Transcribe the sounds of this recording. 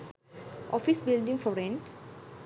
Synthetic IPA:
ʔɔ̰fisbilɖĩŋfɔɾẽnʈ

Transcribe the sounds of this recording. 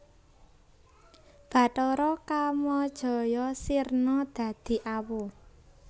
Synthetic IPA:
b̥ä̤tɔɾɔkamɔd̥ʒ̥ɔ̤jɔsirnɔd̪̥ä̤d̪̥i̤ʔawo

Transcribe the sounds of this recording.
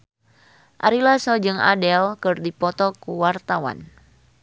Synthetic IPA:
ʔaɾilasɔd͡ʒɨŋa̰dɛlkɨrdipɔt̪ɔkuwart̪awa̰n

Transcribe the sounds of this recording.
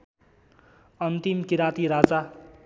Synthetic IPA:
ʌnt̪imkiɾat̪iɾad͡za

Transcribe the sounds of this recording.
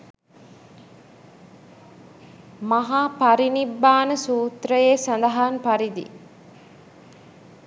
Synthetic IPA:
maɦaːpaɾinibːaːnəsuːt̪ɾəjeːsand̪ɐɦanpaɾid̪ḭ

